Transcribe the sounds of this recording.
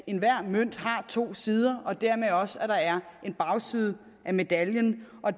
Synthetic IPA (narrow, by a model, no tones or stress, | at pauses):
e̝nʋæɐ̰møn̰d̥hɑ̈t͡sʰo̝̰ːsiːð̞ˠɐɒ̽d̥æɐ̰meðˠɒ̽sæɾ̥ɑ̈æɐʔe̝nb̥ɑ̈ʊsiːð̞ˠ | ʔæme̝d̥æljənʔɒ̽